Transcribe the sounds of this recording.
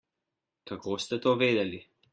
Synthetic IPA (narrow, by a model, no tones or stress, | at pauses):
kakɔst̪ɛt̪oved̪ɛli